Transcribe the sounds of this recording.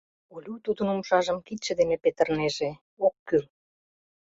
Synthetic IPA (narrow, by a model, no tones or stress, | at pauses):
ulʲut̪ud̪ənumʃɑʒəmkit̪ʃĕd̪emepet̪ə̆rneʒe | okːyl